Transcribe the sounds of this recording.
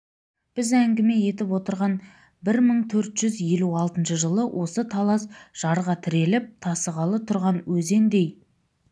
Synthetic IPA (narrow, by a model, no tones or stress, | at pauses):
b̥ɪzæŋɡʲɪme̞je̞t̪ɪpwo̞t̪əɾʁɑn | bɪɾməɴt̪ʰɵɾt̪ʒ̥ʏzje̞luɑlˠt̪ənʃəʒəlˠəwʔo̞sət̪ʰɑlˠɑsʒ̥ɑɾʁɑt̪ʰɪɾe̞lɪp̚t̪ʰɑsəʁɑlˠət̪ʰʊɾʁɑnwɵze̞nd̪e̞j